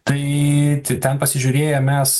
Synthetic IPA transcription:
t̪ɐɪt̪ʲɪt̪ʲɛnpɐsʲɪʒʲʊɾʲeːjɛmʲɛs

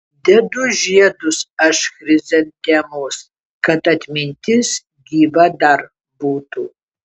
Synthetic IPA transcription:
d̪ʲɛdʊʒiɛdʊsɐʃxɾʲɪzʲɛnt̪ʲɛmoːs | kɐtɐt̪ʲmʲɪnʲt̪ʲʰɪs | ɡʲiːbɐdɐr | buːtʰuː

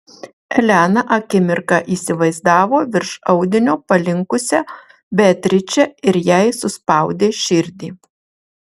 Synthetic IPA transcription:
ɛlʲænɐʔɐkʲɪmʲɪɾkɑʔiːsʲɪʋɐɪzd̪ɑːʋoːʋʲɪɾʃɐʊd̪ʲɪnʲoːpɐlʲɪŋkʊsʲɛ | bʲæt̪ʲɾʲɪt͡ʃʲɛɪɾjæɪsʊspɐˑʊd̪ʲeːʃʲɪɾʲd̪ʲiː

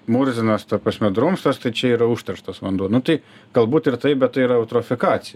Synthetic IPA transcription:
muɾzʲɪnɐst̪ɐpɐsʲmʲɛd̪ɾomst̪ɐst̪ɐɪt͡ʃʲɛiːɾɐuʃt̪ɐɾʃt̪ɐsʋɐnd̪uːnʊt̪ɐɪ | ɡ̥ɐlˠbuːt̪ɪɾt̪ɐɪbʲɛt̪t̪ːɐɪiɾɐɐʊt̪ɾɔfʲɪkɑːsʲɪj

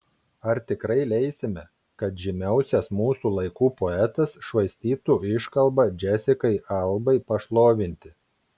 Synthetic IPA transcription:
ɐɾt̪ʲɪkɾɐɪlʲɛɪsʲɪmʲɛ | kɐt̪ʒʲɪmʲɛˑʊsʲɛsmuːsuːlˠɐɪkuːpoɛt̪ɐsʃʋɐɪsʲt̪ʲiːt̪uːɪʃkɐlˠˑbɐd͡ʒʲɛsʲɪkɐɪʔɐlˠbɐɪpɐʃlˠoːʋʲɪnʲt̪ʲɪ

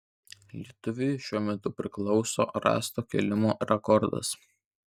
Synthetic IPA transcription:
lʲit̪ʊʋʲɪjʃʲuɔmʲɛt̪ʊpʲɾʲɪklˠɒʊso̰ːɾɑ̰ːst̪oːkʲɛ̰lʲɪmoːɾʲɛkɔɾd̪ɐ̰s

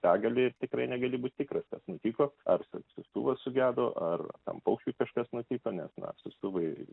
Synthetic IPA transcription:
t̪ɑːɡɐlʲɪɪrt̪ʲɪkɾɐɪnʲɛɡɐlʲɪbuːt̪̚ʲt̪ʲɪːkrɐskɐsnʊt̪ʲiːkoːɐrsʊsʊst̪ṵːʋɐsʊɡʲæːd̪oːʔʔɐrt̪ɐ̰mpɐʊkʃʲkʲuːkɐʃkɐsnʊt̪ʲiːkoːnʲɛsnɐ̰sʊst̪uːʋɐɪ

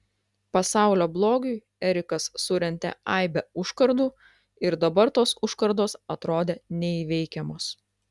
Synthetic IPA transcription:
pɐsɑˑʊlʲoːblˠoːɡʲʊɪ | ɛɾʲɪkɐsːʊɾʲɛnʲt̪ʲɛ̰ɐˑɪbʲɛʊʃkɐɾd̪uː | ɪɾd̪ɐbɐɾt̪oːsʊʃkɐɾd̪oːsɐt̪ɾoːd̪ʲeːnʲɛiʋʲɛɪkʲɛmoːs

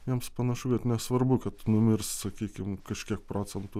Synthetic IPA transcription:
jiɛmspɐnɐʃʊkɐt̪nʲɛsʋɐɾbʊkɐt̪nʊmʲɪrssɐkʲiːkʲɪmkɐʃʲkʲiɛk̚pɾoːt͡ssʲɛnt̪ʊ

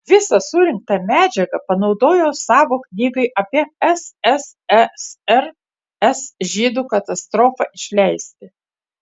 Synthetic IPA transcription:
ʋʲɪsɐsuɾʲɪŋk̚t̪ɐmʲæːd͡ʒʲɛɡɐpɐnɒʊd̪oːjoːsɑːʋoːknʲiːɡɐɪʔɐpʲiɛɛsɛs | ɛsɛɾ | ɛsʒʲiːd̪uːkɐt̪ɐst̪ɾoːfɐʔɪʃʲlʲɛɪsʲt̪ʲɪ

